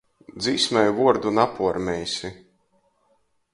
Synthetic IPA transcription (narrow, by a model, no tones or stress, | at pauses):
d̪ziːsmʲɛjvuɔɾd̪unapuɔɾmʲɛjsʲi